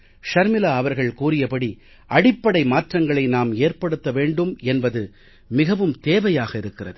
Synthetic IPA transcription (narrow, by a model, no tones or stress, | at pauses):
ʂɐɾmɪlaɐʋɐɾɣɐɭkuːrɪjɐpɐɽi | ʔɐɽɪpːɐɽɐɪmaːʈrɐŋɡɐɭɐɪnaːmeːrpɐɽɯt̪ːɐʋeːɳɖɯmɛnbɐðɯ | mɪɣɐʋɯmt̪eːʋɐjaːɣɐɪɾɯkːɪrɐðɯ